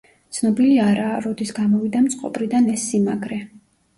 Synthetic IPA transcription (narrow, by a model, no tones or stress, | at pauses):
t̪sʰnɔbiliaɾaːɾɔd̪isɡamɔvid̪amt̪sʼqʼɔ̰pʼɾid̪anɛsːimaɡɾɛ